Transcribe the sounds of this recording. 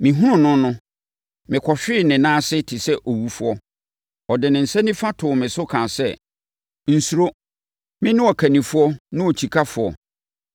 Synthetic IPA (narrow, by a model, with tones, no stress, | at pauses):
mɪ̃˨ɦũ˦ɾʊ̃˦nʊ̃˦nʊ̃˦ | mɪ̃˨kʰɔ˨ɕᶣɪ˦˨nɪ̃˨nãː˦sɪ˦tʰɪ˨sɛ˦ʔo˨wu˦fʊ˦ɔ˦ | ɔ˨dɪ˨nɪ̃˨n̩˨sɛ̃˦nĩ˦fa˦tʰʊ˨mɪ̃˨sʊ˦kʰã˨sɛ˦ | n̩˨su˨ɾo˦ | mɪ̃˦nʊ̃˦ɔ˨kʰæ˨nĩ˨fʊ˦ɔ˦nʊ̃˦o˨t͡ɕʰi˨kʰa˦fʊ˨ɔ̰˨